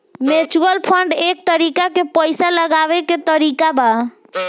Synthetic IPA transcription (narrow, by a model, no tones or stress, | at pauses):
met͡ʃuəlpʰəɳɖek̚t̪əɾikakepəɪsaləɡaʋeket̪əɾikaba